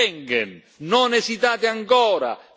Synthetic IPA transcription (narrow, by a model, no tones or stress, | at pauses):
ɛŋɡɛn | nɔnɛsit̪aːt̪ɪaŋkɔːɾa̰